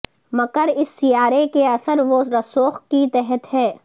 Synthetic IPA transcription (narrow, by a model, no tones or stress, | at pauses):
mɐkəɾɪsːijaːɾekeɐsəɾʋoɾɐsoːxkit̪ɛɦət̪ɦɛː